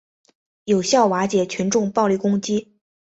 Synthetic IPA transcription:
jo˨˩ʊɕjɑ˥˩ʊwa˧˥t͡ɕjɛ˨˩t͡ɕʰy˧˥nʈ͡ʂʊ˥˧ŋpɑ˥˧ʊli˥˩kʊ˥ŋt͡ɕi˥

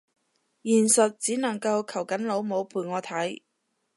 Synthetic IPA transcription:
jiː˨˩nsɵ˨t̚t͡siː˨˥nɐ˨˩ŋkɐ˧wkʰɐ˨˩wkɐ˨˥nlo˨˧wmo˨˧wpʰuː˨˩jŋɔː˨˧t̪ʰɐ˨˥j

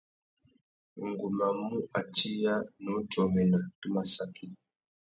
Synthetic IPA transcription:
ŋɡu˨ma˨mu˦ʔa˨t͡ʃi˦ja˦nu˨˦d͡ʒɔ˨mɛ˨na˨tu˦ma˨sa˨ki˦

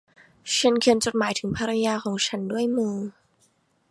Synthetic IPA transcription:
t͡ɕʰa˧˥nkʰi˧˩ənt͡ɕo˨˩t̪̚maː˩˦jt̪ʰɯ˨˩˦ŋpʰaː˧ɾa˧jaː˧kʰɔː˩˦ŋt͡ɕʰa˦˥ndu˥˩əjmɯː˧

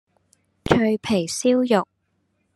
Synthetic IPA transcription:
t͡ʃʰɵ˧ɥpʰe˨˩jsiː˥wjʊ˨k̚

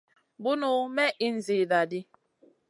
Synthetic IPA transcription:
bu˦nu˦mɛ˦ʔi˦n̩˦zi˨da˨di˦

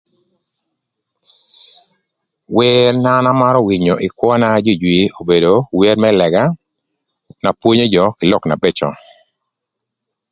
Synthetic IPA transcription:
we˦rna˦na˦ma˦ɾɔ˦wi˨ɲo˨ʔɪ˨kwɔ˦na˦d͡ʒi˦˨d͡ʒwi˨o˨be˨do˨wie˦ɾmɛ˦lɛ˨ɡa˦ | na˨pwo˦ɲo˦d͡ʒɔ˦kɪ˨lɔ˦˨kna̰˨be˦t͡ʃɔ˨

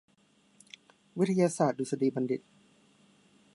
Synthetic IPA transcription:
wi˦˥t̪ʰa˧jaː˧saː˨˩t̪̚duː˨sa˧diː˧˩ba˧ndi˨˩t̪̚

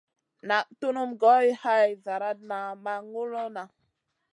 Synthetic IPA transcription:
na˨ʔtu˦nu˦mɡo˦jha˦jza˨ɾa˦t̚na˨ma˦ŋu˦lo˦na˨

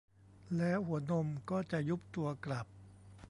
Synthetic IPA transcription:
lɛː˦˥whu˩˦ɐno˧mkɔː˥˩t͡ɕa˨˩ʔju˦˥p̚t̪u˧ɐkla˨˩p̚

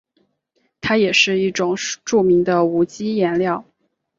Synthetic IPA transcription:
t̪ʰa˥jɛ˨˩ʂɻ̩˥˧i˥˩ʈ͡ʂʊ˨˩ŋʈ͡ʂu˥˩mi˧˥ŋd̪ə˧u˧˥t͡ɕi˥jɛ˧˥nljɑ˥˩ʊ

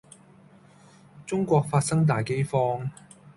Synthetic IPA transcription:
t͡sʊ˥ŋkʷɔː˧k̚faː˧t̚sɐ˥ŋt̪̬aː˨jke˥jfɔː˥ŋ

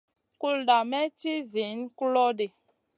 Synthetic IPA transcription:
ku˦lda˨mɛ˦t͡ʃi˦zi˨˦nku˦lɔ˦de˨

